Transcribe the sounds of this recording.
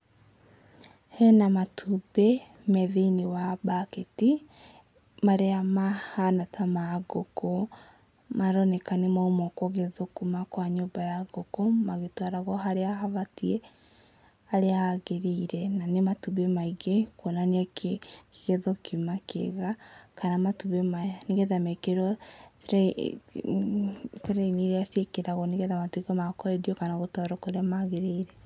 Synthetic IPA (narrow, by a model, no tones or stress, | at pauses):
hɛnamatʰube | mɛðeinewabaketi | maɾeamahanatamaɣoko | maɾɔnɛkanemaumɔkwɔɣeðokumakwaɲoːbajaɣokomaɣetwaɾaɣɔɦaɾeaɦaβatie | aɾeaaɣeɾeiɾɛnanematuβemaiɣekwɔnaneakke̥ɣeðokimakḛɣakanamatuβemaaneɣɛðamɛkeɾɔtɾ | teɾɛiniɾeasjekeɾaɣɔneɣɛðamatuiɣɔmakɔɛdiɔkanaɣotwaɾɔkoɾeamaɣeɾeiɾɛ